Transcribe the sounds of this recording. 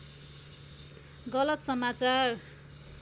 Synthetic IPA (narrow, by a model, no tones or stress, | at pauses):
ɡʌlʌt̪sʌmat͡sar